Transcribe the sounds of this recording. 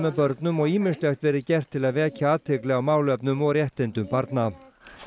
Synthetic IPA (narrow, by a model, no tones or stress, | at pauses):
mɛðpœɾt̪nʏmɔɣiːmɪ̥st̪lɛxt̪vɛːɾɪcɛr̥t̪ʰːɪlaðvɛːcaaːt̪ʰɪklɛːɣawmaːwlœpnʏmɔɣrjɛht̪ɪnt̪ʏmpaɾt̪na